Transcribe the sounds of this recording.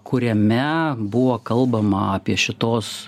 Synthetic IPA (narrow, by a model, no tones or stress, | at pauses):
kʰʊɾʲɛmʲɛbʊʋoːkɐlˠbɐmɐɑpʲiɛʃʲɪt̪oːs